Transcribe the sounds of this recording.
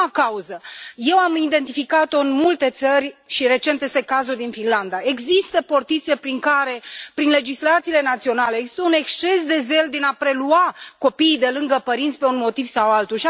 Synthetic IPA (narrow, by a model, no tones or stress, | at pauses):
kauzəje̞wamid̪e̞nt̪ifikat̪o̞ɨnmult̪e̞t̪sərʲʃiɾe̞t͡ʃe̞nt̪je̞st̪e̞kazud̪infinland̪ae̞ɡzist̪əpo̞rt̪it̪se̞pɾiŋkaɾe̞pɾinle̞d͡ʒislat̪sile̞nat̪sio̞naleeɡzist̪əune̞kst͡ʃe̞s̬d̪e̞ze̞ld̪enapɾe̞luako̞piːd̪e̞lɨŋɡəpəɾint̪sʲpe̞unmo̞t̪iv̥sawalt̪uʃi